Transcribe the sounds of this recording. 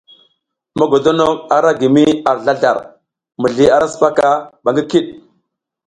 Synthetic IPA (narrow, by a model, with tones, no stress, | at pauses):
ma˨ɡo˨do˦no˦a˨ɾa˦ɡi˨mi˦a˨ɾɮa˦ɮa̰˨ɾ | mu˨ɮi˦a˦ɾa˦sə̥˨pa˦ka˦ɓa˨ŋɡi˦ki˦ɗ